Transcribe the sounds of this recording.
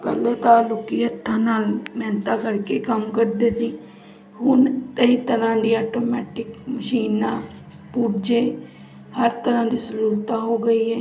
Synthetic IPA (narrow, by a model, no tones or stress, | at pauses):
pɛːlet̪aːlʊkijət̪ːaːnaːlmɛːnt̪akəɾkekəmkəɾd̪eːd̪ĩː | ɦʊnt̪əit̪əɾãːd̪iːaːʈoːmɛːʈɪkməʃiːnãː | puːʈd͡ʒeː | həɾt̪əɾãːd̪iːsəɾuːlt̪aːɦoːɡəiːɦɛː